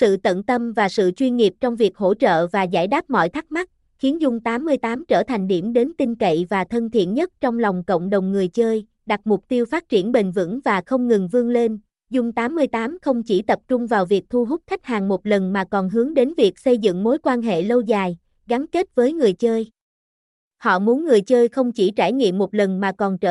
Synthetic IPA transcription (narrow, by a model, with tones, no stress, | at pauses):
sɨ̰˧˨t̪ə̰˧˨nt̪ə˧mvaː˨˩sɨ̰˧˨t͡ɕwi˧nŋi˨˩əp̚t͡ɕɔ˧wŋ͡mvi˨˩ək̚ho̰˧˥t͡ɕə̰ː˧˨vaː˨˩za̰ː˧˩jɗaː˦˥p̚mɔ̰˧˨jt̪ʰa˦˥k̚ma˦˥t̚ | xi˨˦ənzʊ˧ŋ͡mt̪aː˨˦mːɨ˧əjt̪aː˨˦mt͡ɕəː˧˩t̪ʰa˨˩ŋ̟ɗḭ˧˩mɗe˨˦nt̪ï˧ŋ̟kə̰˧˨jvaː˨˩t̪ʰə˧ŋ̟t̪ʰḭ˧˩ənɲə˦˥t̚t͡ɕɔ˧wŋ͡mlɔ˨˩wŋ͡mkə̰˧˨wŋ͡mɗə˨˩wŋ͡mŋɨ˨˩əjt͡ɕəː˧j | ɗa˨˩t̚mʊ˨˩k͡p̚t̪i˧əwfaː˦˥t̚t͡ɕi˧˩ənɓï˨˩ŋ̟vɨ̰˧˥ŋvaː˨˩xə˧wŋ͡mŋɨ˨˩ŋvɨ˧əŋle˧n | zʊ˧ŋ͡mt̪aː˨˦mːɨ˧əjt̪aː˨˦mxə˧wŋ͡mt͡ɕi˧˩t̪ə˨˩p̚t͡ɕʊ˧ŋ͡mvaː˨˩wvi˨˩ək̚t̪ʰu˧ɦʊ˦˥k͡p̚t̪ʰa˦˥jk̟̚haː˨˩ŋmo˨˩t̚lə˨˩nmaː˨˩kɔ˨˩nɦɨ˨˦əŋɗe˨˦nvi˨˩ək̚sə˧jzɨ̰˧˨ŋmo˨˦jkwaː˧nɦḛ˧˨lə˧wzaː˨˩j | ɣa˨˦nke˦˥t̚vəː˨˦jŋɨ˨˩əjt͡ɕəː˧j | hɔ̰˧˨mu˨˦nŋɨ˨˩əjt͡ɕəː˧jxə˧wŋ͡mt͡ɕi˧˩t͡ɕaː˧˩jŋḭ˧˨mːo˨˩t̚lə˨˩nmaː˨˩kɔ˨˩nt͡ɕəː˧